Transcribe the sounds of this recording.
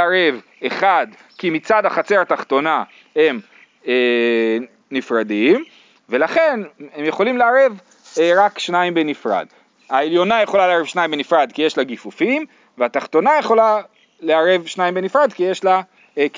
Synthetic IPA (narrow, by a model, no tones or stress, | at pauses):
aʁev | eχad̪ | kimit͡sad̪haχat͡seat̪aχt̪o̞na | he̞m | e | nifʁad̪im | ve̞laχe̞nhemjeχo̞limleaʁe̞v | ʁakʃnaimbenifʁa̰d̪ | haeljo̞najeχolaleaʁevʃnajimbenifʁad̪kijeʃlaɡifufim | veat̪aχt̪o̞najeχo̞la | leaʁevʃnajimbenifʁad̪kijeʃla